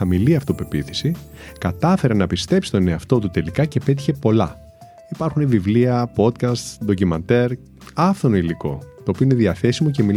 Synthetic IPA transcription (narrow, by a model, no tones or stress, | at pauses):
ɐmiliɐft̪ope̞piθi̥sikɐt̪ɐfe̞ɾenɐpist̪e̞psi̥t̪o̞ne̞ɐft̪o̞t̪̬ut̪e̞likɐcepe̞t̪̬i̥çe̞po̞lɐ̰ | ipɐɾxunevivliɐpo̞t̪kɐst̪sðo̞cimɐnt̪e̞ɾ | ɐft̪onoiliko̞̰t̪o̞ːpioineðiɐθe̞simo̞ce̞mi